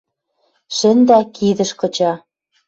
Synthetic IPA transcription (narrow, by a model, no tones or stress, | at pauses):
ʃɘ̆nd̪ækʰiðə̆ʃkɤ̆t͡ɕɑ